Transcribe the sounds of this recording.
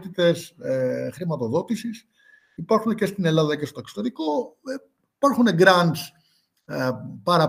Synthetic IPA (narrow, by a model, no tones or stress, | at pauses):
t̪it̪e̞sxɾimɐt̪o̞ðo̞t̪isis | ipɐɾxunece̞st̪ine̞lɐðɐcest̪ot̪ɐkso̥t̪eɾiko̞ | ipɐɾxune̞ɡɾɐnd̪s | pɐɾɐ